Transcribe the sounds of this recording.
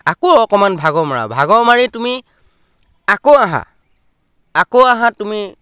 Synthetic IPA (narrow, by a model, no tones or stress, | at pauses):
akoɔkɔmanbʱaɡɔmaɹa̰bʱaɡɔmaɹitumi | akoaɦã̰ | akoaɦãtumi